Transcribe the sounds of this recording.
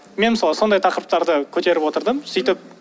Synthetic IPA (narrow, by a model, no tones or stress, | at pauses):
menməsɑlˠəso̞nd̪ɑjt̪ʰɑqəɾəp̚t̪ɑɾd̪əkʲʰɵt̪e̞ɾɪpwo̞t̪əɾd̪əmsijt̪ɪp̚